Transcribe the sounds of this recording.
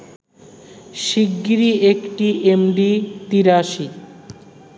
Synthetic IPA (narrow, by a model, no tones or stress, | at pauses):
ʃiɡːiɾiekʈiʔemɖit̪iɾaʃi